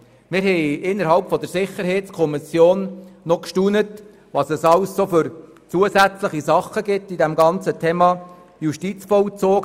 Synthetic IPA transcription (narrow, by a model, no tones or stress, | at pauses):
mɪɾɦɛɪɪnːəɾɦɑlpfɔd̪əɾsɪχəɾhɛɪtt͡skʰɔmisjoːnːɔkʃtuːnət | ʋɑsɛsɑwssofʏɾ | t͡suəsæt͡sləχisɑχːəɡɪtːidɛmɡɑnt͡sətʰɛːmɑ | juʃtit͡sfɔlt͡soːɡ